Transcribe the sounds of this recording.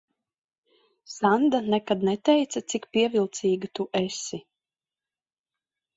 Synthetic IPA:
sand̪anɛkad̪nɛt̪ɛjt̪sat̪sikpiɛvilˠt̪siːɡat̪uʔɛsi

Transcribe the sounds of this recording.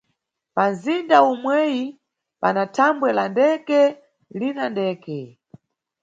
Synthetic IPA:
panzindaumwɛji | panatʰambwɛlandɛkɛ | linandɛːkɛ

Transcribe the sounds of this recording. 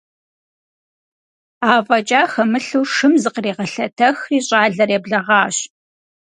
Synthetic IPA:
aːvʼɐt͡ʃʼaːxɐmɨɬuːʂɨmzɨqreːʁɐɬɐtʰɐxiːɕʼaːɮɐreːbɮɐʁɑːɕ

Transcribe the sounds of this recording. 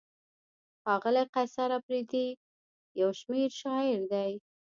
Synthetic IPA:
xɑɣɪlaqasaɾapɾid̪i | jawʃmeɾʃɑjɪɾd̪aj

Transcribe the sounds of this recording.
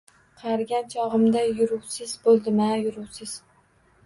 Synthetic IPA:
qʰɑɾɡʲant͡ʃʰɒʁɨmd̪ajʊɾʊwsɪz̥bolˠd̪ɪmajʊɾʊwsɪz̥

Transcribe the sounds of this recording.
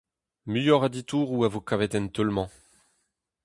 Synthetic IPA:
myjɔʁad̪it̪uːʁuavokavɛt̪ɛnt̪œlmɑ̃

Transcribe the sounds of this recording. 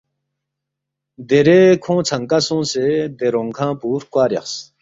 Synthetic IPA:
d̪eɾekʰõːt͡sʰaŋkasõːsed̪eɾoŋkʰãːpuːɾkwaːɾja̰χs

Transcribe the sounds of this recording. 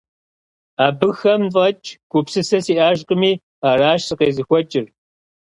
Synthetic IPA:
aːbɨxɐmfʼɐt͡ʃʼɡ̥ʷʊpsɨsɐsiːʔaːʒqʼəmiː | aːɾaːʃsɨqeːzɨxʷɔt͡ʃʼɪr

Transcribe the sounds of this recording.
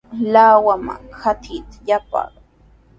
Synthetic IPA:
lawama̰xat̪ʰit̪ḁjapɑ̰

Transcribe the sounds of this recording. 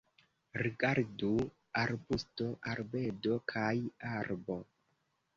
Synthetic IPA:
ɾiɡaɾdu | aɾbusto̞ʔaɾbedo̞kʰajaɾbo̞

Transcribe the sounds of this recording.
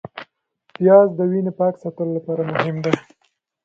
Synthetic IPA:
pijɑzd̪əwinepɑksɑt̪əlolapɑɾamʊɦɪmd̪e

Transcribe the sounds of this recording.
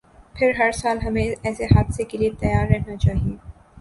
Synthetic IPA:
pʰɪɾɦɐɾsaːlɦɐmẽɛːseɦaːd̪sekeliet̪ɐjaːɾːɛɦnat͡ʃaːɦieː

